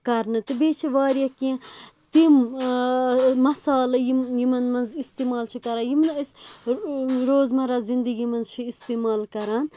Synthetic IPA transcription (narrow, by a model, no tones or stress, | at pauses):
kɐɾnɨt̪ɨbeːt͡ʃʰiʋaːɾjɐkiẽt̪im | mɐsaːlɐjijimɐnmɐnzist̪iːmaːlt͡ʃʰikɐɾaːjimnɐs | ɾoːzmɐɾazind̪əɡimɐnzt͡ʃʰiist̪iːmaːlkɐɾan